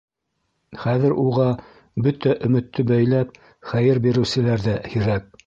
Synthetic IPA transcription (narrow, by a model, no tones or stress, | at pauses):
χæðɘ̆ɾuʁɑ | bɵt̪æʔɵ̆mɘ̆t̪ːɵbæjlæp̚ | χæjɘɾbiɾɘ̆wsɘ̆læɾðæhiɾæk̚